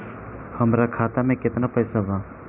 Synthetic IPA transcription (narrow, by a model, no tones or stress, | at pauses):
həmɾakʰaːt̪amẽkɪt̪napɐːsaʋaː